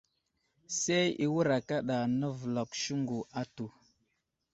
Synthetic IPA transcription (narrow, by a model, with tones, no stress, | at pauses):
se˦ji˦wu˦ɾa˨ka˦ɗa˨nə˦və˨la˨kʃu˦ŋɡu˨a˦tu˨